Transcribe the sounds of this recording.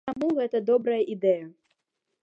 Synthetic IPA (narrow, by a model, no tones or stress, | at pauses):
amuɣɛt̪ɐd̪ɔbɾɐjɐʔid̪ɛjɐ